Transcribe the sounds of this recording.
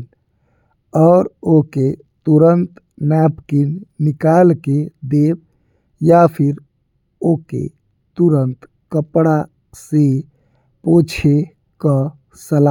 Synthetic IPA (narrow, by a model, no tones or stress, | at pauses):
ɔːɾoke | t̪uɾənt̪ | nɛpkinːikalked̪eb̚ | japʰiɾ | okḛ | t̪uɾənt̪ | kəpɽa | se | pot͡ʃʰe | kə | səla